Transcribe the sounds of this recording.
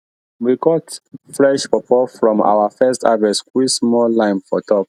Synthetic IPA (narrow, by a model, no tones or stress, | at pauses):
wiɡɔtfɹɛʃpɔpɔfɹɔ̃ma̰wafɛstavɛswismɔlãɪ̃nfɔtʰɔp̚